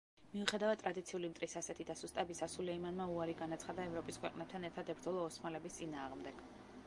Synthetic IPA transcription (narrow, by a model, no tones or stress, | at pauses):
miuχɛd̪avad̪̚t̪ʼɾʔad̪it̪sʰiulimt̪ʼɾisasɛt̪ʰid̪asust̪ʼabisasulɛimanmauaɾiɡanat̪sʰχad̪aɛvɾɔpʼiskʰwɛqʼnɛp̚t̪ʰanɛɾt̪ʰad̪ɛbɾd̪zɔlˠɔːsmalɛbist̪sʼinaːʁmd̪ɛɡ̥